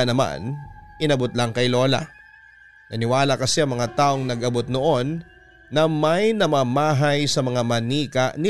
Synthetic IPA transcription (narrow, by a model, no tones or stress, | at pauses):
nɐma̰nʔɪnɐbot̪̚lɐŋkɐjlo̞ːla̰ | nɐnɪwaːlɐkɐsɛʔɐŋmɐŋat̪aːʔo̞ŋnɐɡʔɐbo̞t̪̚noʔo̞nː | ɐmɐjnɐmaːmaːɦɐjsɐmɐŋamɐniːkɐʔnɪ